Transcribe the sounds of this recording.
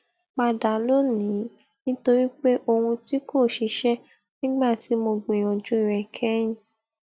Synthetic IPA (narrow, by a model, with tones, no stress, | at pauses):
k͡pa˧da˨lo˦nĩ˨˦ | nĩ˦to˧ɾi˦k͡pe˦ʔo˧hũ˧ti˦kʰo˦˨ʃi˨˧ʃɛ˦ | nĩ˦ɡ͡ba˦˨ti˨˦mo˧ɡ͡bẽ˨ɔ˨d͡ʒũ˦i˦˨ɾɛ˨kʰɛ˦j̃ĩ˨